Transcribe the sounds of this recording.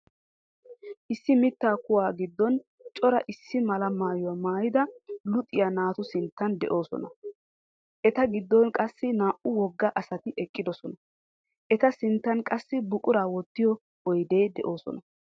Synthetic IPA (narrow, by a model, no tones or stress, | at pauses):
ʔɪsːɪmɪt̪ːaːkʊwaːɡɪd̪ːɔn | t͡ʃʼɔɾɐ̰ʔɪsːɪmɐlɐmaːjʊwamaːjɪd̪ɐlʊt̪ʼːɪjanaːt̪ʊsɪnt̪ːɐnd̪ɛ̰ʔo̞ːsɔ̰nɐ | ʔɛt̪ɐɡɪd̪ːɔnkʼɐsːɪnaːʔʊwɔɡːɐʔɐsɐt̪ɪʔɛkʼːɪd̪ɔsɔnɐ | ʔɛt̪ɐsɪnt̪ːɐnkʼɐsːɪbʊkʼʊɾaːwɔt̪ːɪjɔ | ɔjd̪e̞ːd̪ɛʔo̞ːsɔ̰nɐ